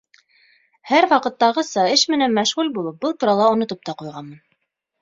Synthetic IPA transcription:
hæɾwɑqɤ̆t̪ːɑʁɤsɑɘʃmɘ̆nænmæʃʁʉlʲbulˠɤp̚bɤlˠt̪uɾɑlˠɑŏnŏt̪ɤp̚t̪ɑqujʁɑnmɤn

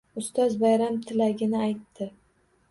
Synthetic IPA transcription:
ʊst̪ɒzbajɾamt̪ʰɪlaɡʲɪnɪajt̪ʰːɪ

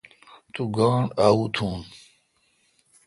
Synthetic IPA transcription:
t̪uɡaːɳaːut̪ʰuːn

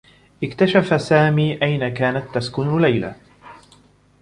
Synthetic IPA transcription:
ʔɪkt̪aʃafasaːmiːʔajnakaːnat̪ːaskʊnlajla̰

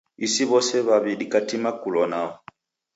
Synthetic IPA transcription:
isiβɔsɛβaβiɗikatimakulɔnaɔ

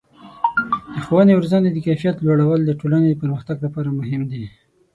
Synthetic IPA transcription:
d̪̥əxowənewʊɾzand̪ed̪əkajfijat̪loɽawəld̪əʈolaned̪əpəɾməxt̪aɡlapɑɾamʊɦɪmd̪i

